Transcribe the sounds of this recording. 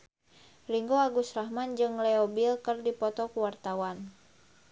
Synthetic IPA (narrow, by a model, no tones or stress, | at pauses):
riŋɡoaɡusraɦmand͡ʒɨŋlɛɔbilkɨrdipɔt̪ɔkuwart̪awan